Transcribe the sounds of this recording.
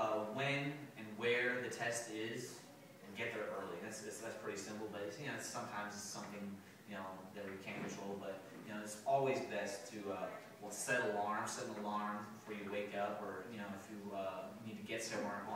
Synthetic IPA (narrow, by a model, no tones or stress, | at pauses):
ʌwɨ̃nɨ̃nwə˞ðɨtʰɛstɪz | ɨ̃nɡɛt̪̚ðə˞ɜ˞lˠiðætsɨtsðætspʰɹ̥ɪɾisɪ̃mpl̩ˠbeɪsjɨnoʊɨtsʌ̃mtʰãɪ̃mzɨsʌ̃mθɪ̃ŋ | jɨnoʊðɨt̚wɨkʰæ̃nkɨ̃ntʰɹ̥oʊlˠd̚bʌt̚ | jɨnoʊɨtsɔlˠwizbɛstʰɨʌ | wilˠsɛɾəlɑɹmsɛɾl̩ˠəlɑɹmfə˞jɨweɪkʌpə˞jɨñoʊɨfjɨʌnid̚tʰɨɡɛtsʌ̃mwɛɹ̃